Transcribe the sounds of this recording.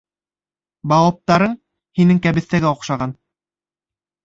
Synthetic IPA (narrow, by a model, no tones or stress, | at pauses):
bɑwˠɑp̚t̪ɑɾɤɴ | hinɘŋkæβɘ̆θt̪æɡæŏqʃɑʁɑn